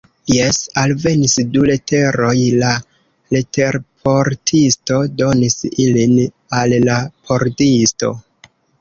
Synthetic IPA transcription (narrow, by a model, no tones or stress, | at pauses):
jesalve̞nisdule̞tʰe̞ɾo̞jla | lete̞ɾpʰo̞ɾtʰisto̞do̞nisilin | alːapʰo̞ɾdisto̞̰